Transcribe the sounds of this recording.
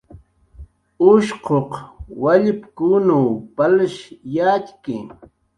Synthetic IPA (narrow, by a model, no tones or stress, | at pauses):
ʊʃqʰoqwaʎɪpkunuːpalaʃjaːt͡ʃkɪ